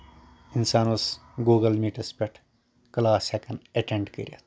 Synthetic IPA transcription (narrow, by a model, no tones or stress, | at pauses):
insaːnusɡuːɡɐlmiʈɐspʲeʈʰ | klaːsekɐneʈeɳɖkə̰ɾʲiɐ̰t̪ʰ